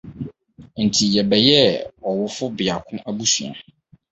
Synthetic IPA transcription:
n̩˨tʰi˨jɛ˨bɛ˨jɛ˦ɔ˨wʊ˦fʊ˦bɪ˨a˨kʰʊ̃˦ʔæ˦bu˦su˨a̰˨

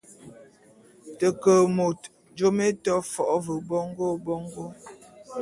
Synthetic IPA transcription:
tə˨kə˨mo˨t | d͡ʒo˦me˦tɔ˦fɔ˨ʔvə˨bɔ˦ŋ˦ɡo˦bɔ˦ŋɡo˦

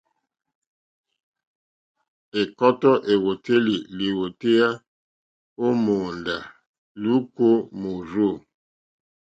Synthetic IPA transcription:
e˨kɔ˦tɔ˦ʔe˨wo˨te˦li˨li˨wo˨te˦ja˦ | o˦mo˨nda˨ | lu˦ko˦mo˨ɾo˦˨

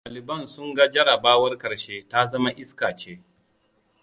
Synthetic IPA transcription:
taː˨lɪ˨bɐ˦˨nsʊ˦ŋɡa˦d͡ʒɐ˦ɽɐ˨baː˦wɐ˦rkɐ˨ɾʃeː˦ta˦zɐ˦ma˦ʔɪ˦skaː˨t͡ʃeː˦

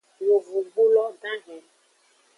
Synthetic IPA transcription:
wo˨vu˨ɡ͡bu˦lɔ˦dã˦ɦɛ̃˨

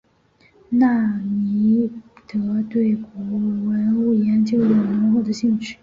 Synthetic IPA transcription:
na˥˩mi˧˥t̪ɤ˧˥t̪we˥˩ɪkɔ˧˥˩wə˧˥nu˥˩jɛ˧˥nt͡ɕjo˧˥ʊjo˨˩ʊnə˧˥ŋxo˥˩d̪ə˨˩ɕi˥˧ŋt͡ɕʰy˥˩

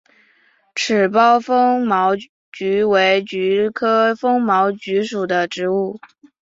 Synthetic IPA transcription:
ʈ͡ʂʰɻ̩˨˩pɑ˥ʊfɤ˥ŋmɑ˧˥ʊ | t͡ɕy˧˥we˧˥ɪt͡ɕy˧˥kʰɤ˥fɤ˥ŋmɑ˧˥ʊt͡ɕy˧˥ʂu˨˩d̪ə˦ʈ͡ʂɻ̩˧˥u˥˩

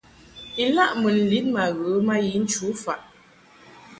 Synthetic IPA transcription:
i˨la˦ʔmə˨n̩˨li˦t̚ma˨ɣə˨˦ma˦ji˨˦n̩˦t͡ʃu˨˦fa˨ʔ

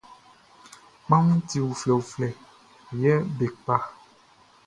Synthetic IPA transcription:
mã˦ŋũ˦ti˨wu˨flɛ˨wu˨flɛ˨ | jɛ˦be˨k͡pa˦

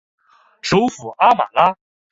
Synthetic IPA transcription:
ʈ͡ʂʰu˧˥fu˨˩ʔa˥ma̰˨˩la˥

